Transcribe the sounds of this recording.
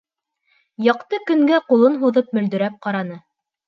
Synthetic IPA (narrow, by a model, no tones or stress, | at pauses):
jɑqt̪ɤkɵ̆ŋɡæqulˠɤnɦuðɤp̚mɵ̆ld̪ɵ̆ɾæp̚qɑɾɑnɤ